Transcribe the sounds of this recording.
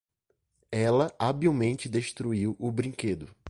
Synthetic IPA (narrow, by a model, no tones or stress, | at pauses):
ɛlɐabiwmẽnt͡ʃɪd̪eʃt̪ɾuiwʔʊbɾĩked̪ʊ